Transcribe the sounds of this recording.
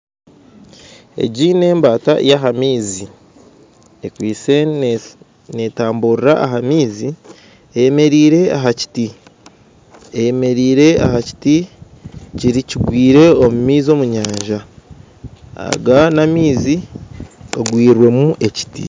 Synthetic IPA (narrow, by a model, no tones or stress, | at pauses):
e̞̰ɟine̞ːmbaːta̰jaɦamiːzi | ekwiːse̞ | ne̞taːmbuɾiɾaʔaɦamiːzi | ejeme̞ɾiːɾe̞aɦaci̥ti | ejeme̞ɾiːɾe̞a̰haci̥ti | ciɾiciɡwiːɾe̞omumiːzo̞muɲaːɲʒa | a̰ɡanamiːzi | ɡaɡwiːɾwe̞muʔe̞ci̥tḭ